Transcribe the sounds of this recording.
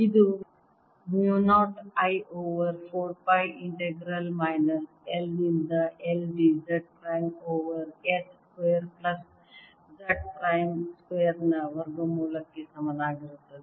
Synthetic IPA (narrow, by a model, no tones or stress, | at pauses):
id̪u | mjuːnaːʈajʔoːʋəɾfʰoːɾpajiɳʈeɡɾɐlmajnɐs | eldind̪ɐʔelɖid͡ʒɐʈ̚pɾajmoːʋəɾet̪skʋeːɾplɐs | d͡ʒɐʈ̚pɾajmskejəɾnɐʋɐɾɡomuːlɐkːesɐmɐnaːɡiɾut̪ːɐd̪i